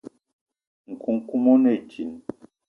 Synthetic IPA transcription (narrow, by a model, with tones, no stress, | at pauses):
ŋ̩˨kʰu˨ŋ˦ku˦mo˦ne˦˨d͡ʒi˨n